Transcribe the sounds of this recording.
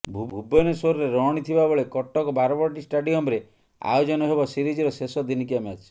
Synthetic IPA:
bʱuubɔnesoɾɔɾeɾɔɔɽ̃it̪ʰibaboɭekɔʈːɔkɔbaɾɔbɔɾʈisʈaɖiɔmɾe | a̰jod͡ʒɔnɔɦebɔsiɾid͡ʒiɾɔsesɔd̪inikiamat͡ʃʰi̥

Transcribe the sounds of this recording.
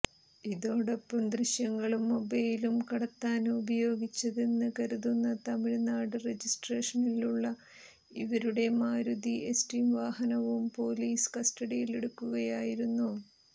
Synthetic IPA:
iðo̞ːɽe̞pːɐmd̪riɕjɐŋːɐɭumːobɐjilumkɐɽɐt̪ːaːnubɐjo̞ːɡit͡ɕːɐðe̞nːɨkɐɾuðunːɐt̪ɐmiɻnaːɽɨre̞d͡ʑisʈreːʂɐniluɭːɐ | iʋɐɾuɽe̞maːɾud̪iʔe̞sʈiːmʋaːhɐnɐʋumpo̞ːliːskɐsʈɐɽijile̞ɽukːuɣɐjaːjiɾunːu

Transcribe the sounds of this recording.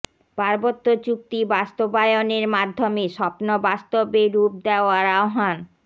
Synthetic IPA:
paɾbot̪ːot͡ɕuk̚t̪ibast̪obajoneɾmad̪ʱːomeʃɔpnobast̪obeɾup̚d̪eoaɾaoɦan

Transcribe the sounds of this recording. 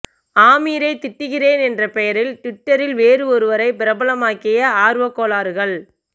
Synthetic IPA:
aːmiːɾɐɪt̪ɪʈːɯɣɪreːnɛndrɐpɛjɐɾɪlt̪ɪʈːɐɾɪlʋeːɾɯɔɾɯʋɐɾɐɪpɪɾɐbɐlɐmaːkɪjɐaːɾɯʋɐkːoːlaːɾɯɣɐɭ

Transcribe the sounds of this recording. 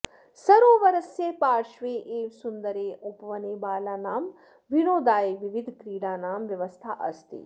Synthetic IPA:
sɐɾoːʋɐɾɐsjepaːɾʃʋeːʔeːʋsund̪ɐɾeːʔupʋɐneːbaːlaːnaːm | ʋinoːd̪aːeʋiʋid̪ʱkɾiːɽaːnaːmʋjɐʋɐst̪ʰa̰ːʔɐst̪ḭ

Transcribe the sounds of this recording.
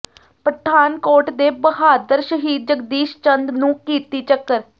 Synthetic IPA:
pəɾəʈ̪ʰaːnkoːɾʈd̪eːbəhaːd̪əɾʃəɦiːd̪̚d͡ʒəɡd̪iːʃt͡ʃənd̪nũːkiːt̪iːt͡ʃəkːəɾ

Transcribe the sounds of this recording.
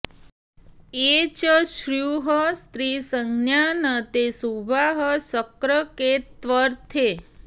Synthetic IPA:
et͡ʃəʃɾjuɦəst̪ɾisəŋɡnjanət̪esubʱaɦəsəkɾəket̪ʋəɾt̪ʰe

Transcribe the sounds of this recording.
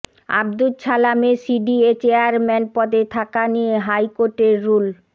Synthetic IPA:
a̰b̚d̪ut͡ɕʰalamesiɖiet͡ɕeaɾmɛnpɔd̪et̪ʰakanijeɦajkoɾʈeɾːul

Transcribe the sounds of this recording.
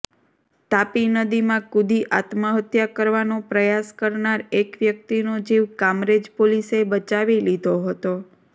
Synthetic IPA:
t̪apinəd̪imãkud̪iʔat̪məɦət̪jakəɾʋanopɾəjaskəɾnaɾekʋjək̚t̪inod͡ʒiʋkamɾed͡ʒpolisebət͡ʃaʋilid̪ʱoɦət̪o

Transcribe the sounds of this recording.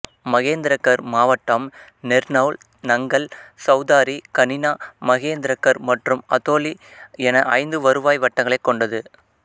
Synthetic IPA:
mɐɣeːnd̪ɪɾɐkːɐɾmaːʋɐʈːɐm | nɛɾnɐʋɭ | nɐŋɡɐɭsɐʊðaːɾikɐnɪnaːmɐɣeːnd̪ɪɾɐkːɐɾmɐʈrɯmɐt̪oːliɛnɐʔɐɪnd̪ɯʋɐɾɯʋaːjʋɐʈːɐŋɡɐɭɐɪkːɔɳɖɐðɯ

